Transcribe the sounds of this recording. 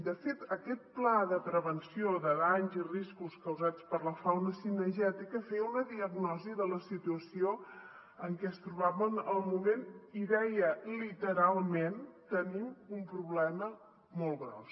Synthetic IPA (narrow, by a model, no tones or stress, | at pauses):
d̪əfet̪əkɛt̪̚plaðəpɾəβənsioðəðaɲziriskuskəwzat͡spəɾləfawnəsinəɾʒɛt̪ikəfejəunəðiəɡnɔziðələsit̪uəsio | əŋkɛəst̪ɾuβ̞aβənəlˠmumeniðɛjəlit̪əɾalˠment̪ənimumpɾuβlɛmə | mɔlˠɣɾɔ̰s